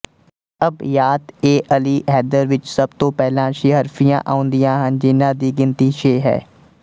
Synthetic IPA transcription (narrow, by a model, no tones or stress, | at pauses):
əbjaːt̪eːʔəliːɦɛːd̪əɾʋɪt͡ʃsəb̚t̪õːpɛːlãːʃeːɦəɾfʰijã̰ːʔaːʊ̃nd̪ijãːɦənd͡ʒɪnãːd̪iːɡɪnt̪iːʃeːɦɛ̰ː